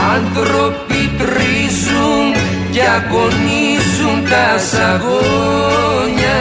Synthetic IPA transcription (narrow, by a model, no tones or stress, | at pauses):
and̪ɾopit̪ɾi | suŋ | jakonisʊŋt̪asaɣo | ɲa